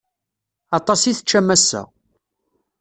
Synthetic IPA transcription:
ɑt̪ˤɑsiθət͡ʃːæmːæsːæ̰

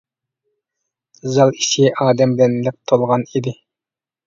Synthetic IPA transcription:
zɑlˠiʃiʔɑːd̪ɛmblɛnlɛp̚t̪ʰolˠʁɑnid̪ɪ

